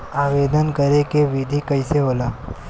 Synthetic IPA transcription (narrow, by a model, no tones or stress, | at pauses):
aːʋeːd̪ənkəɾekeʋɪd̪ʱikɐiseɦoːlaː